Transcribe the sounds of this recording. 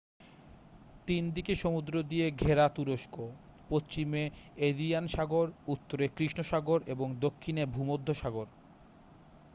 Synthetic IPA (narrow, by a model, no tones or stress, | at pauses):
t̪ind̪ikeʃomud̪ɾod̪ijeɡʱeɾat̪uɾoʃko | post͡ɕimeed̪ijanʃaɡoɾut̪ːoɾekɾiʃnoʃaɡoɾeboŋd̪okʰːinebʱumod̪ʱːoʃaɡoɾ